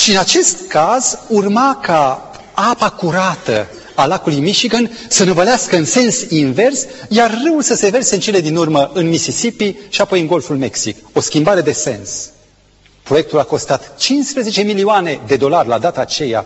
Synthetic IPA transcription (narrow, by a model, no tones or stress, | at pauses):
ʃiɨnat͡ʃe̞st̪kazurmaka | apakuɾat̪ə̰ | alakulujmiʃiɡənsənevəleaskəɨnse̞nsinve̞rsjarːəulsəse̞ve̞rseɨnt͡ʃe̞le̞d̪inurməʔɨnmisisipiʃiapo̞jɨnɡo̞lfulme̞ksiko̞skʲimbaɾe̞d̪e̞se̞̰ns | pɾo̞jek̚t̪ulako̞st̪at̪t͡ʃinspɾeze̞t͡ʃe̞milioane̞d̪e̞d̪o̞larʲlad̪at̪aːt͡ʃe̞ja̰